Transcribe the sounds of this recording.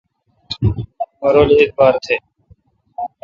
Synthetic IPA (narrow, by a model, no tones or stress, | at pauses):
məɾoːliːeːk̪̚baːɾt̪ʰeː